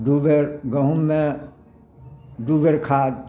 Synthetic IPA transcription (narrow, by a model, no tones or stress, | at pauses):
d̪uʋeɾɡɐɦũmːẽ | d̪uːʋeɾkʰaːd̪̚